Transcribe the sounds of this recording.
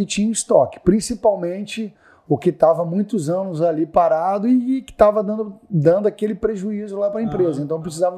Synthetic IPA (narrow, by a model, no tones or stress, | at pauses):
ɪt͡ʃĩɲɐ̃ist̪ɔkɪ̥pɾĩsipawmẽnt͡ʃɪ | ʊkɪt̪avɐmũj̃t̪ʊzɐ̃nʊzalipaɾad̪ʊɪkɪ̥t̪avɐd̪ɐ̃nd̪ʊʊd̪ɐ̃nd̪ʊakelɪpɾeʒuizʊlapɾɐẽmpɾezɐẽnt̪ɐ̃w̃pɾɪs̬izavɐ